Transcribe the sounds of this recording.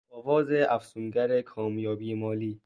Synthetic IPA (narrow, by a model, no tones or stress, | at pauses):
ɒːvɒːzeʔæfsunɡæɾekʰɒːmjɒːbiːemɒːliː